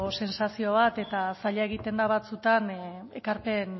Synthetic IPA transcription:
ose̞nsasio̞β̞at̪e̞t̪asaʎae̞ɣit̪e̞nd̪aβat͡sut̪ane̞kaɾpe̞n

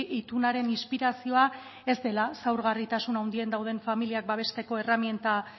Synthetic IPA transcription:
it̪unaɾe̞ninspiɾasio̞a | e̞zd̪e̞lasawɾɣ̞arit̪asunawnd̪ie̞nd̪awð̞e̞ɱfamiliak̚baβ̞e̞st̪e̞ko̞e̞ramje̞nt̪a

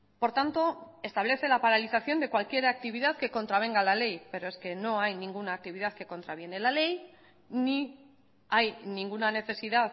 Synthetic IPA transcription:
po̞ɾt̪ant̪o̞ | e̞st̪aβ̞le̞θe̞lapaɾaliθaθjo̞nd̪e̞kwalkje̞ɾak̚t̪iβ̞iðaðke̞ko̞nt̪ɾaβ̞e̞ŋɡalale̞jpe̞ɾo̞eske̞no̞ajnĩŋɡunaːk̚t̪iβiðaðke̞ko̞nt̪ɾaβje̞ne̞lale̞j | ni | ajnĩŋɡunane̞θe̞siðað

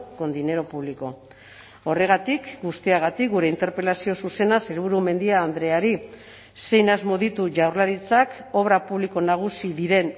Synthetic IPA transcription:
ko̞nd̪ine̞ɾo̞puβliko̞ | o̞re̞ɣat̪ikɡust̪iaɣ̞at̪ik̚ɡuɾe̞int̪e̞ɾpelasio̞suse̞naselβuɾume̞nd̪iaːnd̪ɾe̞aɾi | se̞jnazmo̞ðit̪uʝawɾlaɾit͡sako̞βɾapuβliko̞naɣ̞usiðiɾe̞n

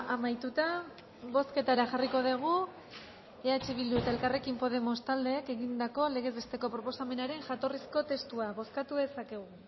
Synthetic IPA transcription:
amajt̪ut̪a | βo̞ske̞t̪aɾaʝariko̞ð̞eɣ̞u | eat͡ʃiβild̪uet̪aelkare̞kimpo̞ð̞e̞mo̞st̪ald̪e̞ːke̞ɣind̪ako̞le̞ɣ̞e̞zβe̞st̪e̞ko̞pɾo̞po̞same̞naɾe̞ŋʝat̪o̞risko̞t̪e̞st̪uaβo̞skat̪uðe̞sake̞ɣ̞u

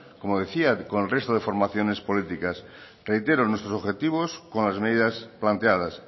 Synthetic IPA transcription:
komoðeθiakonelre̞st̪oð̞efo̞ɾmaθjonespolit̪ikas | rejt̪eɾonwest̪ɾosoβxet̪iβ̞oskonlazme̞ðiðasplant̪eað̞as

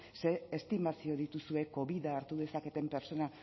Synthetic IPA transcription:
se̞ːst̪imasio̞ðit̪usue̞ko̞βiðaːɾt̪uðe̞sake̞t̪e̞mpe̞ɾt͡so̞na

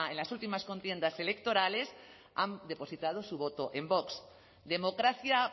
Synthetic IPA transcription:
enlasult̪imasko̞nt̪je̞nd̪ase̞le̞k̚t̪o̞ɾale̞s | a̰nd̪e̞po̞sit̪að̞o̞suβ̞o̞t̪oʔe̞mbo̞ks | d̪e̞mo̞kɾaθja

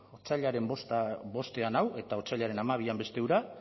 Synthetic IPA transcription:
ot͡saʎaɾe̞mbo̞st̪aβo̞st̪e̞anawe̞t̪aot͡saʎaɾe̞namaβ̞iambe̞st̪e̞uɾa

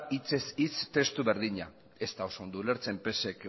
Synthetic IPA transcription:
it͡se̞sit͡st̪e̞st̪uβe̞ɾðiɲa | e̞st̪ao̞sond̪ule̞ɾt͡se̞mpe̞se̞k

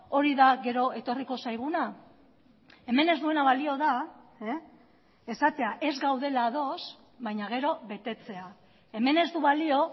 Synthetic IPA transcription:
o̞ɾiðaɣe̞ɾo̞e̞t̪o̞riko̞sajɣ̞una | e̞me̞ne̞zd̪ue̞naβalio̞ða | esat̪e̞aʔe̞zɡawðe̞laðo̞s | βajɲaɣ̞e̞ɾo̞βe̞t̪e̞t͡se̞a | e̞me̞ne̞zd̪uβalio̞

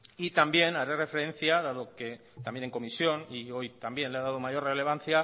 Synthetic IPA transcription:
it̪ambje̞naɾere̞feɾe̞n̟θjaðaðo̞ke̞ | t̪ambje̞neŋko̞misjo̞nio̞jt̪ambje̞nleaðaðomaʝo̞rrele̞β̞an̟θja

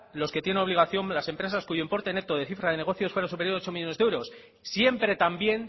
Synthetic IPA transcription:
lo̞ske̞t̪jenenoβliɣ̞aθjo̞mlase̞mpɾe̞saskuʝoimpo̞ɾt̪e̞net̪oðe̞θifɾaðe̞ne̞ɣ̞o̞θjo̞sfwe̞ɾasupejo̞ɾot͡ʃo̞miʝo̞ne̞zewɾo̞s | sje̞mpɾe̞t̪ambje̞n

